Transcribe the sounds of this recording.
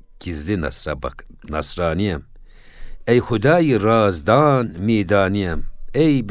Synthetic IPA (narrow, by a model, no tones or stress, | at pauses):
kʰizd̪insnɐsɾɑːniɛm | ejxud̪ɑːjirɑːzd̪aːnmeːd̪aːniɛmejb